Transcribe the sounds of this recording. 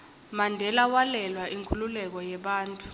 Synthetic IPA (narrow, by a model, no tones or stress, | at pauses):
mandʱɛlawalɛlwaʔiŋkʰʼululɛk̬ɔjɛɓaːntʼu̥